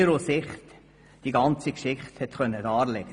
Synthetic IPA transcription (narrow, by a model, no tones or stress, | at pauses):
ɾosɪχt | d̥iɡɑnt͡sikʃɪχthɛtχœnːədɑːɾlɛɡ̥ə